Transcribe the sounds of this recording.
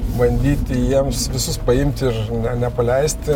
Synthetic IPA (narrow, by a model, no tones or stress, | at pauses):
bɐnʲd̪ʲiːt̪ʲɪjiɛmsʋʲɪsʊspɐɪmʲt̪ʲɪɾnʲɛnʲɛpɐlʲɛɪsʲt̪ʲɪ